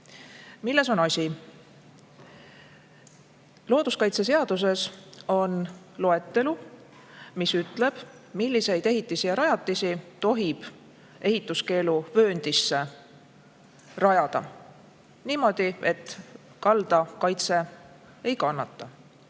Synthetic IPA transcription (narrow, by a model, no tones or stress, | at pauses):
milːe̞s̬o̞nɑsʲi | lo̞ːd̪̥uskɑjt̪se̞s̬e̞ɑd̪̥us̬e̞so̞n | lo̞e̞t̪ːe̞lu | misyt̪ˑle̞b̥ | milːise̞jd̪e̞ɦit̪ˑːisijɑɾɑjɑt̪ːˑisit̪o̞ɦib̥ | e̞ɦit̪ːˑuske̞ːluvø̞ːnd̪̥isːe̞ | rɑjɑd̪̥ɑ̰ | niːmo̞d̪̥ie̞t̪ | kɑld̪̥ɑkɑjt̪se̞ | e̞jkɑnːɑt̪ːˑɑ